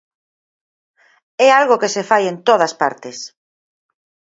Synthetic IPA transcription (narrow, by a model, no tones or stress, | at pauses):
ɛalɣokesefajent̪oð̞ɐspa̰ɾt̪es